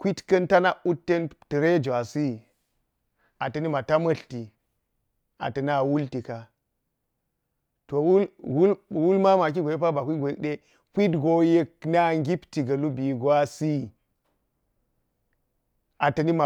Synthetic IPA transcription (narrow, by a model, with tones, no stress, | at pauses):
kʷi˦tkɐ˦nta˦na˦u˦tːe˦nti˨ɾe˦d͡ʒwa˨si˦ | a˨tɐ˨ni˦ma˨ta˦mɐ˦ɬti˨ | a̰˨tɐ˨na˨wu˦lti˨ka˨ | to˨wlwu˦lwu˦lma˦ma˨k̬i˦ɡʷje˦p̬a˦ba˨kʷi˦ɡʷo˨je˦k̚ɗe˦ | kʷi˦tɡo˦je˦k̚na˦ŋɡi˦pti˨ɡɐ˨lu˦bi˨ɡwa˦si˦˨ | a˨tɐ˨ni˦ma˨